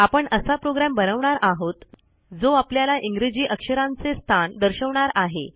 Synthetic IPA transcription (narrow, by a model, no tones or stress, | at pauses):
apəɳəsapɾoɡɾambənəʋɳaɾaɦot̪ | d͡zoapljalaʔiŋɡɾid͡ʑiːʔəkʂəɾãnt͡sest̪ʰand̪əɾɕəʋɳaɾaɦḛ